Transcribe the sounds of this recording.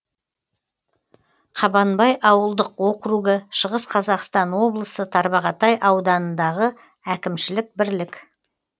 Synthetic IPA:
qʰɑbɑnbɑjʔɑwəlˠd̪əqwo̞qɾuɡəʃəʁəsqʰɑzɑqst̪ɑnwo̞blˠəsət̪ʰɑɾbɑʁɑt̪ɑjʔɑwd̪ɑnənd̪ɑʁə | ækʲɪmʃɪlɪk̚bɪɾlɪk

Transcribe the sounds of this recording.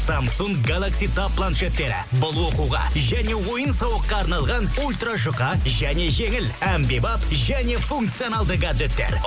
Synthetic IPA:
samsuŋɡɡalˠaksijt̪ʰappːlˠant̪ʃet̪ːe̞ɾɪ̰bʊlˠwo̞quʁɑ̰ʒæne̞wo̞jənsɑwəqːɑːɑɾnɑlˠʁɑnulʲt̪raʒʊqɑʒæne̞ʒe̞ŋɪlæmbebɑpʒæne̞fuŋk̚t̪sijo̞nalˠd̪əɡad̪et̪ːe̞̰ɾ

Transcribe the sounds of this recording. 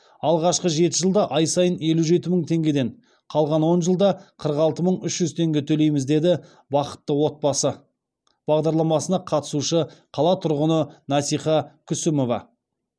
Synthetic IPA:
ɑlˠʁɑʃqəʒe̞t̪ɪʒəlˠd̪ɑʔɑjsɑjəne̞luʒe̞t̪ɪməɴt̪ʰe̞ŋɡʲe̞d̪e̞ɴ | qʰɑlˠʁɑnwo̞nʒəlˠd̪ɑqʰəɾəqɑlˠt̪əməɴʏʃʒ̥ʏzt̪ʰe̞ŋɡʲe̞t̪ʰɵle̞jmɪzd̪e̞d̪ɪ | bɑqə̥t̪ːəwo̞t̪̚bɑsə | b̥ɑʁd̪ɑɾlˠɑmɑsənɑqʰɑt̪ə̥suʃəqʰɑlˠɑt̪ʰʊɾʁənənɑsijχɑkʲʰʏsɪmo̞vɑ̰

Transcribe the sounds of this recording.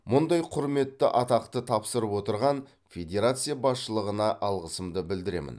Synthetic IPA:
mʊnd̪ɑjqʰʊɾme̞t̪ːɪʔɑt̪ɑqt̪ət̪ʰɑpsəɾəpwo̞t̪əɾʁɑn | fʲe̞d̪ʲe̞ɾat̪sɨijabɑsʃəlˠəʁənɑʔɑlˠʁəsəmd̪əbɪld̪ɪɾe̞̰mɪ̰n

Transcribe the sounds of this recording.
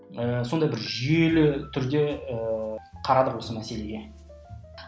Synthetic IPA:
əso̞nd̪ɑjbɪɾʒʏjelɪt̪ʰʏɾd̪e̞əqʰɑɾɑd̪əqwo̞səmæse̞le̞ɡʲe̞

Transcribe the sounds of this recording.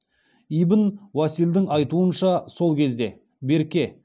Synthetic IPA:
ijbənwɑsild̪ɪŋɑjt̪uənʃɑso̞lˠkʲʰe̞zd̪e̞ | be̞ɾkʲe̞

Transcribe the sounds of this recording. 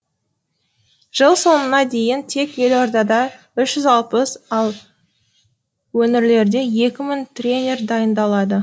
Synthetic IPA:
ʒ̥əlˠso̞nənɑd̪e̞jɪnt̪ʰe̞kje̞loɾd̪ɑd̪ɑ | ʏʃʒ̥ʏzɑlˠpəsɑlˠ | wɵnɪɾle̞ɾd̪e̞je̞kʲɪmɪŋt̪rʲe̞nʲe̞rd̪ɑjənd̪ɑlˠɑd̪ə

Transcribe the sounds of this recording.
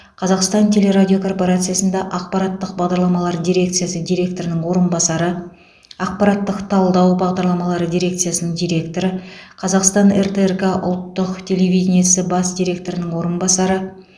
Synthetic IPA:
qʰɑzɑqst̪ɑnt̪ʰʲe̞lʲe̞ɾadʲijo̞kʰo̞rpo̞ɾat̪sɨjasənd̪ɑʔɑq̚pɑɾɑt̪ːəq̚bɑʁd̪ɑɾlˠɑmɑlˠɑɾd̪ʲijɾʲe̞k̚t̪sɨjasəd̪iɾʲe̞k̚t̪o̞ɾənəɴwo̞ɾənbɑsɑɾə | ɑq̚pɑɾɑt̪ːəqt̪ʰɑlˠd̪ɑwbɑʁd̪ɑɾlˠɑmɑlˠɑɾəd̪ʲijɾʲe̞kt̪sɨjasənəɴd̪ijɾe̞kt̪o̞ɾəqʰɑzɑqst̪ɑnert̪erkaʔʊ̰lˠt̪ːʊqt̪ʲʰe̞le̞vʲijd̪ʲenʲijasɪbɑsd̪ʲijɾʲe̞k̚t̪o̞ɾɪnəɴwo̞ɾənbɑsɑɾə

